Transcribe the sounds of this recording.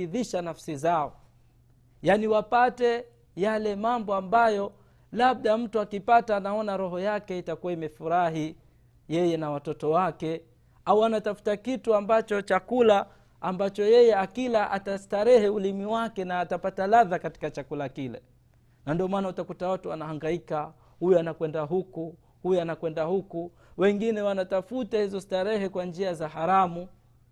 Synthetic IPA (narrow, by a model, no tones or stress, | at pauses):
iðiʃanafsizaɔ | janiwapatɛ | jalɛmambɔambajɔ | laɓ̚ɗam̩tuakipataːnaɔnaɾɔɦɔjakɛitakuwaimɛfuɾaɦi | jɛjɛnawatɔtɔwakɛ | auanatafu̥takituambat͡ʃɔt͡ʃakulaː | mbat͡ʃɔjɛjɛakilaʔatastaɾɛhɛulimiwakɛnaːtapatalaðakati̥kat͡ʃakulakilɛ̰ | nandiɔmaːnautakutawatuanahaŋɡaika | hujɔanakwɛndaɦuku | hujɔanakwɛndahuku | wɛŋɡinɛwanatafutahizɔstaɾɛɦɛkwand͡ʒiazaɦaɾamu